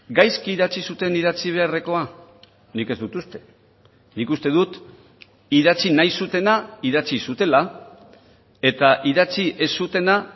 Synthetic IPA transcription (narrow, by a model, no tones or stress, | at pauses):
ɡajskiiðat͡sisut̪e̞niðat͡siβ̞e̞are̞ko̞a | nike̞zd̪ut̪ust̪e̞̥ | nikust̪e̞ðut̪ | iðat͡sinajsut̪e̞naiðat͡sisut̪e̞la | e̞t̪aʔiðat͡siʔe̞sːut̪e̞na